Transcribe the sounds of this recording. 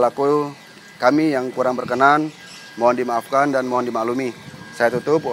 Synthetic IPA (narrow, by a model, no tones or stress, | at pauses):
laku | kamijaŋkuɾaŋbərkənan | maandimaːfkandanmaɦandimalumisajat̪ut̪ʊp